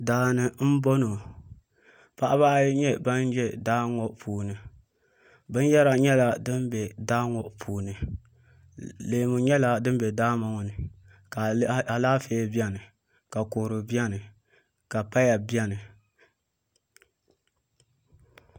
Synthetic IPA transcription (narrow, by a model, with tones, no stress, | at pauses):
daː˨nɨ˨m̩˦bo˦no˨ | pa˦ʔa˦βa˦ɲɛ˦ba˦n˦d͡ʒɛ˦daː˦ŋɔ˦ʔpʰuː˨nɨ˨ | bɨ˦n˦jɛ˦ɾa˨ɲɛ˦la˨dɨ˦mbɛ˨daː˦ŋɔ˨ʔpʰuː˨nɨ˨ | leː˨mu˨ɲɛ˦la˨dɨ˦m˦bɛ˨daː˦ma˨ŋɔ˨nɨ˨ | ka˨a˨laː˦feː˦bi˦ɛ˦nɨ˨ | ka˨ko˨ɾɨ˨bi˦a˦nɨ˨ | ka˨pa˦ja˨bi˦ɛ˦nɨ˨